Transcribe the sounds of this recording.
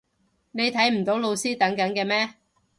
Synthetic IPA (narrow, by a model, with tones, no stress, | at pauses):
ne˨˧jt̪ʰɐ˨˥jm̩˨˩t̪o˨˥wlo˧wsiː˥t̪ɐ˨˥ŋkɐ˨˥nkɛː˧mɛː˥